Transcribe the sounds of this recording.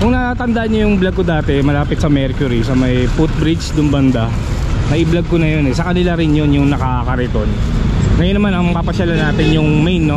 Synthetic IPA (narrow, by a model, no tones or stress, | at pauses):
kʊŋnɐat̪ɐnd̪aʔanːojʊŋblɐɡ̚kod̪aːt̪ɛmɐlaːpɪt̪̚sɐmɛɾkjʊɾisɐmɐjput̪̚bɾit͡ʃd̪ʊmbɐnd̪a | nɐʔɪblɐɡ̚konɐjonɛsɐkɐnɪlaɾɪnjonjʊŋnɐkakɐɾɛt̪o̞n | ŋɐjonːɐmanɐŋpapɐʃalɐnaːt̪ɪnjʊŋmɛjnːo